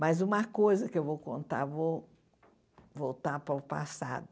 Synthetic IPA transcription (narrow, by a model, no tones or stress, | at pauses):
mɐzũmɐkojzɐkɪewvowkõ̰nt̪aɾvo | vowt̪aɾpɾɐʊpa̰sa̰d̪ʊ